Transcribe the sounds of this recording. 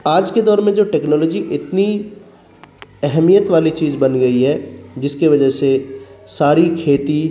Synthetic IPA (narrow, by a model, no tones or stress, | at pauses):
aːd͡ʒked̪ɔːɾmẽd͡ʒoːʈɛːknɔːlɔːd͡ʒiʔɪt̪ni | ɛɦɛmijət̪ʋaːlit͡ʃiːzbɐnɡɐiɦɛːd͡ʒɪskeʋɐd͡ʒəsesaːɾikʰeːt̪i